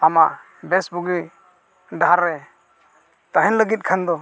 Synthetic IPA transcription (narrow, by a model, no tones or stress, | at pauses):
ama | bɛsbuɡi | ɖaaɾːɛ | t̪aɦɛnləɡit̪̚kʰand̪ɔ